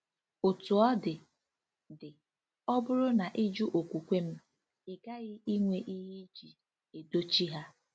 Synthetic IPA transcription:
ʊ˨tu˨ɔ˦dɪ˨ | dɪ˨ | ɔ˦bʊ˦ɾʊ˦na˨ʔɪ˦d͡ʒu˦ʔo˨kʷu˨kʷe˦m̩˦ | ɪ˨ɡa˦ɣɪ˦i˦ŋʷe˨ʔi˦ɦi˦d͡ʒi˨ | e˨do˦t͡ʃi˦ɦa˦

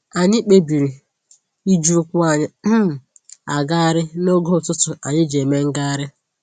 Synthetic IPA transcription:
a˨ɲi˦k͡pe˦bi˨ɾi˨ | i˦d͡ʒu˦kʷʊ˦a˨ɲɪ˦˨ | a˨ɡa˦a˦ɾɪ˦no˦ɡo˦˨tʊ˦tʊ˨a˨ɲɪ˦d͡ʒe˨me˦ŋ̩˦ɡa˦a˦ɾɪ˦

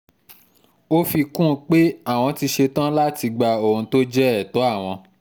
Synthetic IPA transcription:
o˦fi˧kũ˦˨k͡pe˦a˦˨w̃ɔ̃˧ti˧ʃe˧tã˦la˦ti˧ɡ͡ba˧˨o˨ũ˧to˦d͡ʒɛ˦ɛ˦˨to˨˦a˦˨w̃ɔ̃˧

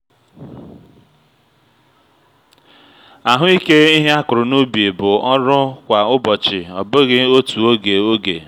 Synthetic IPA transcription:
a˨ɦʊ˦i˦ke˦i˦ɦe˦a˦kʊ˨ɾʊ˨nu˦bi˨e˨bʊ˨ɔ˦ɾʊ˦kʷa˨ʊ˦bɔ˨t͡ʃɪ˨ɔ˨bʊ˦ɣɪ˦o˦tu˨o˦ɡe˨o˦ɡe˨

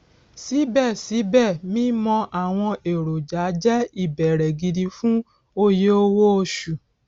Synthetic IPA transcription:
si˨˦bɛ˦˨si˨˦bɛ˦˨mĩ˦mɔ̃˧ʔa˦˨w̃ɔ̃˧e˨ɾo˨d͡ʒa˨˦d͡ʒɛ˦i˦˨bɛ˨ɾɛ˨ɡi˨˧di˧fũ˦ | o˧je˦o˦wo˦o˧ʃu˨

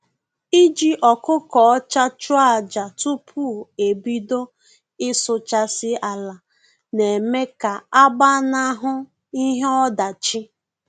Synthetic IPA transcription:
i˦d͡ʒi˦ʔɔ˨kʊ˦kɔ˨ɔ˦t͡ʃa˦t͡ʃʊ˦a˨d͡ʒa˨tu˦pʰu˦˨e˨bi˦do˦ | ɪ˦sʊ˨t͡ʃa˦sɪ˦a˨la˨ | ne˨me˦ka˨a˦ba˦na˦ɦʊ˦ | i˦ɦe˦ɔ˦da˨t͡ʃi˦

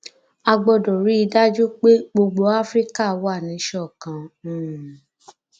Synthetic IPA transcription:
a˧ɡ͡bɔ˧dɔ˨ɾi˨˦i˧da˦d͡ʒu˦k͡pe˦ɡ͡bo˧ɡ͡bo˧˦a˦fɾi˦ka˦˨˦wa˦˨nĩ˨˦ʃɔ˦˨kã˨

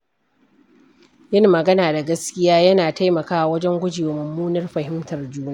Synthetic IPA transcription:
jɪ˦nmɐ˨ɡɐ˦naː˨da˨ɡɐ˦skʲɪ˦jaː˦jɐ˦naː˨ta˦jmɐ˨kaː˦ʔwɐ˦d͡ʒɛ˦ŋɡʷʊ˦d͡ʒi˨wmʊ˨mːuː˦nɐ˦rɸɐ˨ɦɪ˦mtɐ˨rd͡ʒuː˦naː˦˨

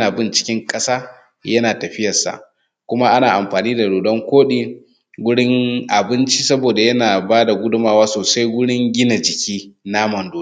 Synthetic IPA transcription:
aː˨bɪ˦nt͡ʃɪ̥˦kʲɪ˦ŋkʼɐ˦saː˦ | jɐ˦naː˨tɐ˨ɸɪ˦jɐ˨rsa̰˨ʔ | kʷʊ˦ma˦ʔa˦naː˨ʔa˨mɸaː˨niː˦da˨ɽoː˨ɗɔ˦ŋkʷoː˦ɗiː˦ | wʷʊ˦ɽɪ˦ŋʔa˨bɪ˦nt͡ʃi˦sɐ˦boː˨da˨jɐ˦naː˨baː˦da˨ɡʷʊ˦dʊ˦maː˨waː˦soː˨sa˦jwʷʊ˦ɽɪ˦ŋɡʲɪ˦na˨d͡ʒɪ˨kʲiː˦na˦mɐ˨ndoː˦

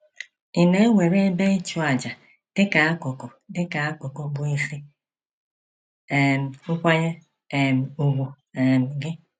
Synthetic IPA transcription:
i˨ne˦e˦wʷe˨ɾe˦be˦t͡ʃu˦a˨d͡ʒa˨ | d̥ɪ˦ka˨a˦kʊ˨ko˨dɪ˦ka˨a˦ko˨ko˨bʊ˨i˦fi˦ | e˨m̩˨ŋ̩˦kʷa˦ɲe˦ | e˨m̩˨u˨ɡʷu˨ | e˨m̩˨ɡɪ˦

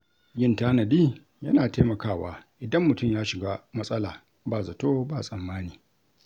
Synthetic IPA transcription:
ɡɪ˦ntaː˦nɐ˨diː˦ | jɐ˦naː˨teː˦mɐ˨kaː˦˨wa̰ː˦ʔɪ˨dɐ˦mːʊ˨tʊ˦˨mjaː˦ʃɪ˨ɡa˦mɐ˦sʼɐ˦laː˨ | baː˦˨zɐ˨toː˦baː˦˨sʼɐ˨mːaː˦niː˨

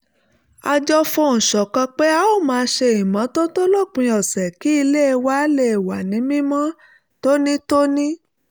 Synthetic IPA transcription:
a˧d͡ʒɔ˦fo˧˨ñ̩˨ʃɔ˨kã˧k͡pe˦a˨o˦˨mãː˧˦ʃe˧i˨mã˨˦to˦to˦lo˦˨k͡pĩ˧ɔ˨sɛ˨ki˦i˧le˦e˧wa˦le˦˨e˨wa˨nĩ˨˦mĩ˦mɔ̃˦ | to˦nĩ˦to˦nĩ˦

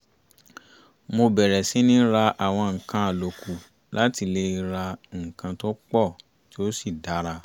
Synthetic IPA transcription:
mo˧bɛ˨ɾɛ˨si˨˦nĩ˦ɾa˧ʔa˨w̃ɔ̃˧ŋ̩˨kã˧˦a˨lo˨ku˨ | la˦ti˧le˧˦i˧ɾa˧ŋ̩˨kã˧to˦k͡pɔ˦˨ | ti˦o˦si˦˨da˨˦ɾa˧

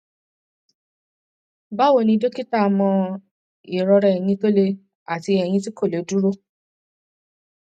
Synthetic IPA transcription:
ba˦wo˦˨nĩ˧do˦ki˦ta˦˨mɔ̃˧ | i˨ɾɔ˧ɾɛ˧ɛ˨j̃ĩ˧to˦le˧ | a˨ti˧ɛ˨j̃ĩ˧ti˦ko˦˨lo˨˦du˦ɾo˦

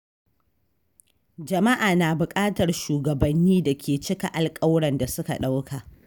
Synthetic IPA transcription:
d͡ʒɐ˨ma˦ʔaː˨naː˨bʊ˨kʼaː˦tɐ˨rʃuː˨ɡɐ˨bɐ˨nːiː˦da˨kʲʰeː˨t͡ʃɪ˦ka˨ʔa˨lkʼɐ˦wɽɐ˨nda˨sʊ˦ka̰˨ɗa˦wkʰa˨ʔ

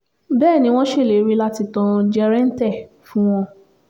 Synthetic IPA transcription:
bɛː˦˨nĩ˨˦w̃ɔ̃˦ʃe˦˨le˨˦ɾi˦la˦ti˧tɔ̃˧d͡ʒɛ˧ɾɛ˦n̩˦tɛ˦˨ | fũ˦w̃ɔ̃˧

